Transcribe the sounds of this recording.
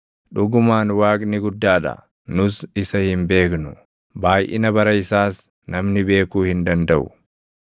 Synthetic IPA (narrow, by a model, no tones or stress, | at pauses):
ᶑʊɡʊmaːnwaːkʼnɪɡʊd̪ːaːᶑɐ̰ | nʊsɪsɐhɪmbe̞ːknʊ | baːjʔɪ̰nɐbɐɾɐɪsaːs | nɐmnɪbe̞ːkuːhɪnd̪ɐnd̪ɐʔʊ̰